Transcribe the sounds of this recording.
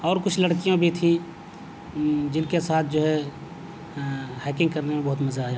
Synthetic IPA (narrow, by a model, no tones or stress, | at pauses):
ɔːɾkʊt͡ʃʰlɐɽkijõbʱit̪ʰĩ | d͡ʒɪnkesaːt̪ʰd͡ʒoːɦɛ | hɛːkɪ̃ŋɡkɐɾnemẽbɐɦʊt̪mɐzaaːɦɛ